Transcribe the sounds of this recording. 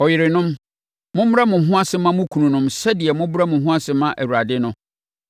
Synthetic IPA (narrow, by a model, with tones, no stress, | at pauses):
ɔ˨jɪ˨ɾɪ˨nʊ̃˦m | mʊ̃˦bʊ˦ɾa˦mʊ̃˨ɦʊ̃˦a˦sɪ˦mã˦mʊ̃˦kʰũ˨nũ˨nʊ̃˦msɛ˦dɪ˨ɛ˨mʊ̃˦bɾa˦mʊ̃˨ɦʊ̃˦a˦sɪ˦mã˦ʔæ˨wu˨a˨dɪ˦nʊ̃˦